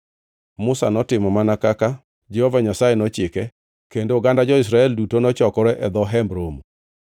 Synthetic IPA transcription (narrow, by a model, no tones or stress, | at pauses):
mʊsa̰nɔtɪmɔmanakaka | d͡ʒɛhovaɲasajenɔt͡ʃɪkɛ | kendoɡandad͡ʒɔis̬ɾaɛldutonɔt͡ʃɔkɔɾɛʔɛd̪ɔɦɛmbɾom